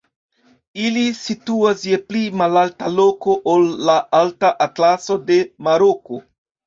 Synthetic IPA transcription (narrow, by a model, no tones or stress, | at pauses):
ilisituasjeplimalaltalo̞ko̞ʔolːaaltaʔatlaso̞de̞maɾoko̞